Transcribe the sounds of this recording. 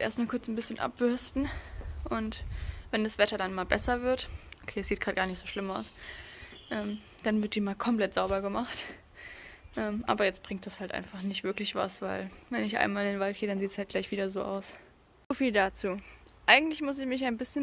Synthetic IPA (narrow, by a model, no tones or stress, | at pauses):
ʔḛːɐstmaːlkʰʊɐt͡snbɪsçənʔa̰p̚b̥ʏɐstn̩ʔʊntvɛndasv̥ɛtɐdanmaːlbɛsɐvɪɐtʔokʰeːɛsz̥iːt̚ɡ̥ʁaːt̚ɡ̥aːɐnɪçtz̥oːʃlɪmaʊs | ʔɛːm | d̥anvɪɐt̚d̥iːmaːlkʰɔmpl̥ɛtz̥aʊbɐɡəmaχt | ʔɛːmʔa̰ːbɐjɛt͡stb̥ʁɪŋtd̥ashaltʔa̰ɪnfaχnɪçtv̥ɪɐklɪçv̥a̰sv̥aɪlvɛnɪçʔa̰ɪnmaːlɪndeːnvalt̚ɡ̥eːdanziːtshaltɡ̥laɪçv̥iːdɐzo̰ːʔa̰ʊs | zofiːldat͡suː | ʔaɪɡŋ̩tlɪçmʊs̬ɪçmɪçaɪnbɪsçən